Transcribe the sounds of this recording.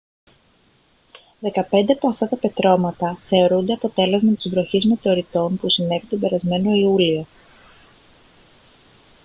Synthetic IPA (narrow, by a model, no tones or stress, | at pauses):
ðe̞kɐpe̞nd̪e̞ɐpo̞ɐft̪ɐt̪ɐpe̞t̪ɾo̞mɐt̪ɐθe̞o̞ɾund̪e̞ɐpo̞t̪e̞le̞zmɐt̪izvɾo̞çizmet̪o̞ɾit̪o̞npusine̞vit̪o̞be̞ɾɐzme̞no̞iulio̞